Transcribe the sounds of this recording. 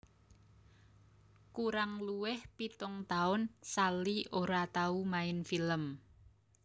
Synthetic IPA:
kuɾaŋluwɪhpit̪ʊŋt̪aʊnsalioɾat̪aumaɪnfiləm

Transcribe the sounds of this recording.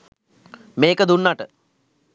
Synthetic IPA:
meːkəd̪unːaʈə

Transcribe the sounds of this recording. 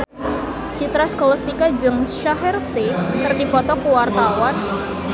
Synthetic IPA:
t͡ʃit̪ɾaskɔlɔst̪ikad͡ʒɨŋʃaɦɛrsikɨrdipɔt̪ɔkuwart̪awan

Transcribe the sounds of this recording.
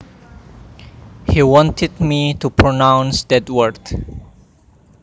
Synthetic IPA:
hiwɔ̃ntʰɪdmitupʰɹonãwnsdɛdwəɹd

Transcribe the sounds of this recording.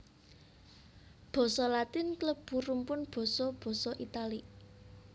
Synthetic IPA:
b̥ɔ̤sɔlat̪ɪnkləb̥ṳrumpʊnb̥ɔ̤sɔb̥ɔ̤sɔʔit̪ali

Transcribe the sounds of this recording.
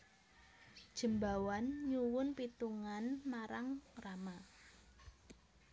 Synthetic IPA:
d̥ʒ̥ə̤mbawanɲuwʊnpit̪uŋanmaɾaŋrama

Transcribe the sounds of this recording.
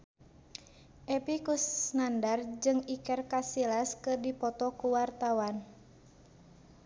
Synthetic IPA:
ʔɛpikusnandard͡ʒɨŋikɛrkasilaskɨrdipɔt̪ɔkuwart̪awan

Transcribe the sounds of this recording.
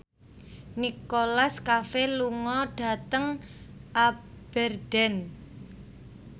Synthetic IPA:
nikolaskafeluŋɔɖ̥a̤t̪əŋʔab̥ɛrd̥ɛn

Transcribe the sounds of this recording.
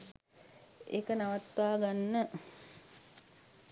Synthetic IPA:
ḛkənaʋat̪ʋaːɡanːə

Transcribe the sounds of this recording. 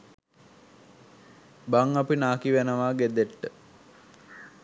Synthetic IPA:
baŋapinaːkiʋenəʋaːɡed̪eʈːə

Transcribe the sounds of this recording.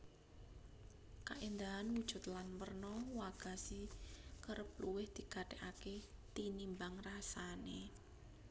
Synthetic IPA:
kaʔend̪aɦanwud̥ʒ̥ʊ̤t̪̚lanpərnɔwaɡ̥a̤sikəɾəp̚luwɪhd̪̥i̤kaɖ̥ɛʔaket̪inimbaŋrasane

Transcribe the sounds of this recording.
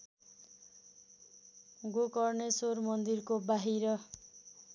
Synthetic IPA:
ɡokʌrnesormʌnd̪irkobaɦiɾʌ

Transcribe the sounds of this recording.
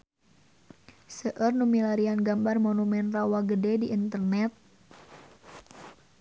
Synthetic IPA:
səʔərnumilaɾianɡambarmonumɛnrawaɡədɛdiʔːnt̪ərnɛt̪̚

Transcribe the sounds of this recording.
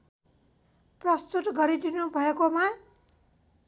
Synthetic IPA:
prʌst̪ut̪ɡʌɾid̪inubʱʌekoma

